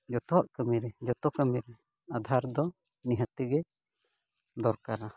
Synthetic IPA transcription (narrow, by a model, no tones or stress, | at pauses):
d͡ʒɔt̪ɔwaʔkəmiɾɛd͡ʒɔt̪ɔkəmiɾɛ | ad̪ʱaɾd̪ɔ | niɦət̪iɡɛ | d̪ɔɾkaɾa